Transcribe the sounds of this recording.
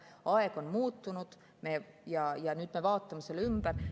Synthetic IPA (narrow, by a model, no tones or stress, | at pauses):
ɑeko̞nmuːt̪ːunud̪̥ | me | jɑjɑnyt̪meʋɑːt̪ːɑmeselymb̥ær